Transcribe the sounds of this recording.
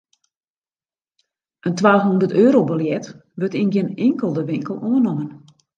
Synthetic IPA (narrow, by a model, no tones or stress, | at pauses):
ʔəntʋaːhɦundərtøːɾobəljɛtʋøtinɡɪnɪŋkəlˠdəʋɪŋkəlˠoənɔmən